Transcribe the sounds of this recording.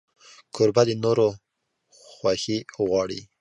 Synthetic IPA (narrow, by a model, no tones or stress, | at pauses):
kʰʊɾbad̪ənoɾo | xwaxiɣwɑɽḭ